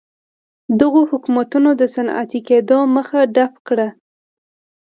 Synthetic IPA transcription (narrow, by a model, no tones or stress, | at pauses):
d̪əɣohʊkumat̪unod̪əsana̰t̪iked̪oməxaɖapkɽa